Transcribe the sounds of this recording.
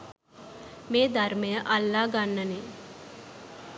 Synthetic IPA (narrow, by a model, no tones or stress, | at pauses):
meːd̪arməjəʔalːaːɡanːəne